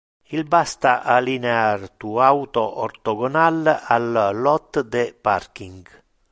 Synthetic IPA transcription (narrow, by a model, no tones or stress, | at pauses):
ilbast̪aʔalineart̪uawt̪oʔɔɾt̪ɔɡɔnalallːɔt̪ːd̪ɛparkiŋɡ